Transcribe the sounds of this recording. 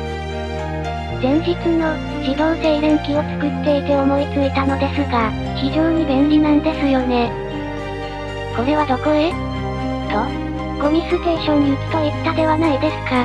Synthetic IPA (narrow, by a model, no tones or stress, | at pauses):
zẽ̞ɲ̟d͡ʑit͡sɨno̞ | d͡ʑid̪o̞ːd̪e̞iɾẽŋkʲio̞t͡sɨ̥kɯ̟t̪ːe̞it̪eomo̞it͡sɨit̪ano̞d̪e̞sɨɡa | çiʑo̞ːɲ̟ibẽ̞nɾʲinãnd̪e̞sɨjo̞ne̞ | ko̞ɾe̞βad̪o̞ko̞ɾe | d̪o | ɡ̥o̞mʲisɨse̞ːɕo̞ɲ̟ːiɯ̟t͡sɨ̥k̪aet̪ːad̪e̞βanaid̪e̞sɨ̥ka